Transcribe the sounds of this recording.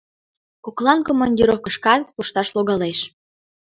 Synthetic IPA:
kuklˠɑnkomːɑnʲdʲiɾofkəʃkɑt̪puʃt̪ɑʃloɣɑleʃ

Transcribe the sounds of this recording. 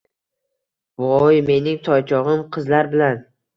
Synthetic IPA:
vɒjme̞nɪŋt̪ʰɒjt͡ʃʰɒʁɨmqʰɨzlaɾbɪlan

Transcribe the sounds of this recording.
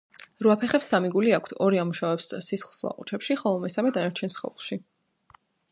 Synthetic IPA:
ɾuapʰɛχɛpsamiɡuliakʰt̪ʰɔɾiamuʃavɛpssisχlˠslˠa̰qʼṵt͡ʃʰɛpʃiχɔlˠɔmɛsamɛd̪anaɾt͡ʃʰɛnsχɛ̰lˠχˠʃi

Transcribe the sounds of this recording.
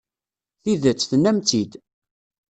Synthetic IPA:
θiðət͡sːθnːæmt͡sid̪

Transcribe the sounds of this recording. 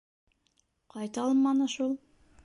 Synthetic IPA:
qʰɑjt̪ɑlˠmɑnɤʃulˠ

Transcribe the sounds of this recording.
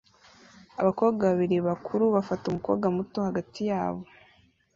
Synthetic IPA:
a̰βako̞ːβɡaβaβiɾiβakʰuɾuβafatumuko̞̰βɡamuto̞haɡatijaːβo̞

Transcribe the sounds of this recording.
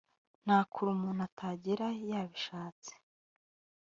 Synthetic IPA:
n̥aːkʰuɾumuːnatʰaːɟiɾajaːβiʃaːt͡si̥

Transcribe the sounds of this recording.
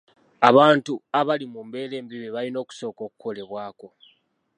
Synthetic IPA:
aβaːntuaβalimumbe̞ːle̞ːmbiβeβalino̞ːku̥so̞ːko̞ːkuko̞le̞βwaːko̞

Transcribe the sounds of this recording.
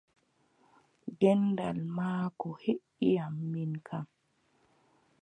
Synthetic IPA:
ɡɛndalmaːkɔheʔijamːinkʰam

